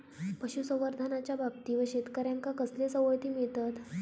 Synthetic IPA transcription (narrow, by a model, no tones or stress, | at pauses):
pəɕusə̃ʋəɾd̪ʱanat͡ɕjabab̚t̪iːʋəɕet̪kəɾjaŋkakəslesəwəjt̪iːmiɭt̪at̪